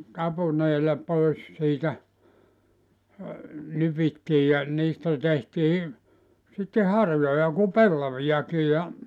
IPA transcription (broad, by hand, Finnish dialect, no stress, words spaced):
tɑpuneːlɑ pois siːtæ nypitːiː jɑ niːstæ tehtiː sitːe hɑrjojɑ ku pelːɑʋijɑki jɑ